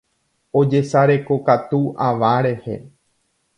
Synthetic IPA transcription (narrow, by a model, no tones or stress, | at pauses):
o̞d͡ʒe̞saɾe̞ko̞kat̪uʔaʋaɾe̞he̞̰